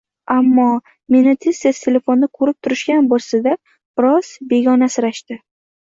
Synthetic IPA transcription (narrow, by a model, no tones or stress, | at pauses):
amːɒ | me̞nɪt̪ʰesast̪ʰelʲe̞fo̞nːɪkʰɵɾɪp̚t̪ʰʊɾɪʃɡʲanbolˠsad̪a | b̥ɪɾɒz̥be̞ɡʲɒnasɪɾaʃt̪ɪ